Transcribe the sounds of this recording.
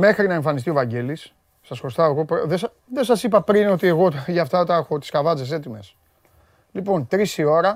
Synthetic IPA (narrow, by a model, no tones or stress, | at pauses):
me̞xɾinɐeɱfɐnist̪io̞vɐɲɟe̞lisː | ɐsko̞st̪ɐeɣo̞pðesɐ | ðe̞sɐsipɐpɾino̞t̪ie̞ɣo̞ʝɐft̪ɐt̪ɐexo̞t̪i̥skɐvɐt͡sese̞t̪ime̞s | lipo̞nt̪ɾisio̞ɾɐ